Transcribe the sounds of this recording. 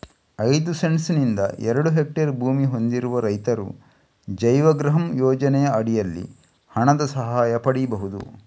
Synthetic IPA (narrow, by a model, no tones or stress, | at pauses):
ɐjd̪useɳsnind̪ɐ̰ʔɛɾɐɽuɦek̚ʈɐɾbʱuːmiɦo̞nd̪iɾuʋɐɾɐjt̪ɐɾṵ | d͡ʒɐjʋɐɡɾɐɦɐmjɔːd͡ʒɐnɛjɐɐɽijɐlːḭ | hɐɳɐd̪ɐsɐɦaːjɐpɐɽibɐɦud̪ṵ